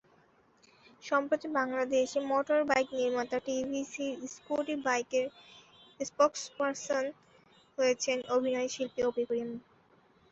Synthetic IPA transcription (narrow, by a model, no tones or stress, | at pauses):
ʃɔmpɾot̪ibaŋlad̪eʃemɔʈoɾbajkniɾmat̪aʈibʱisiskoʈibajkeɾ | spɔkspaɾson | ɦojet͡ɕʰenʔobʱinɔeʃilpeopikɾim